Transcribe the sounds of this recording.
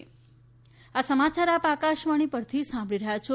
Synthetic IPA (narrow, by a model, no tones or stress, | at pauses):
asəmat͡ʃaɾapakaʃʋaɽ̃ipəɾt̪ʰisãmbʱɭiɾəɦjat͡ʃʰo